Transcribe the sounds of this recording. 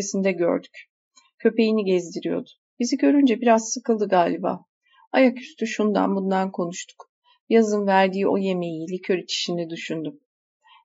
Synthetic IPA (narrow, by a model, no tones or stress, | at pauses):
esind̪ɛɟø̰ɾd̪y̥c | cʰø̞pe̞jiniɟɛzd̪iɾijo̞̰d̪ʊ̥ | biziɟø̞ɾynd͡ʒɛbiɾazsɯkɯlˠd̪ɯɡaːlʲiba̰ː | ajakyst̪ʰyʃund̪a̰nbund̪ankʰo̞nuʃt̪ʰu̥k | jazɯnvæɾd̪iːo̞̰je̞me̞jiːlʲɛcʰø̞ɾit͡ʃʰi̥ʃinɛd̪yʃynd̪ym